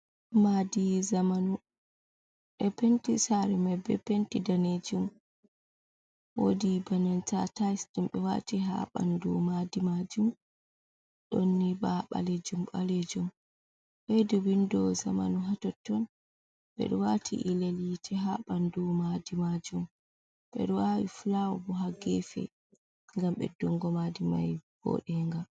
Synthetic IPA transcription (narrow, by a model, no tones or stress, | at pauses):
madizamanu | ɓɛpentisaɾɛmabɛ̰pentidaned͡ʒum | ɗwo̰dibanantatajsdimɓɛwa̰tiɦa̰ɓa̰ndɔmadimad͡ʒum | ɗonːibaɓa̰led͡ʒumɓaled͡ʒum | ɓɛduwindɔzamanuɦatɔtːɔn | ɓɛ̰ɗɔwatʰḭʔilelitʰɛɦaɓandɔmadimad͡ʒum | ɓɛ̰ɗɔwawḭfulawɔ̰bɔɦaɡɛfɛ̰ | ŋɡamɓɛ̰dɔŋɡɔmadimajb̥ɔ̰ɗɛŋɡa